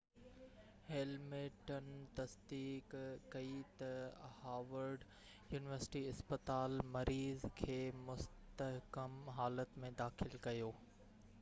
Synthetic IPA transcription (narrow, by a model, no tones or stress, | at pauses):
heːlmeʈənt̪ɐsd̪iːkkːɐit̪ɐhaːʋəɾɖ | juːnɪʋəɾsɪ̥ʈiɪspət̪aːlmɐɾiːzkʰeːmʊst̪əɦkəmɦaːlət̪mẽd̪aːxɪlkɐjoː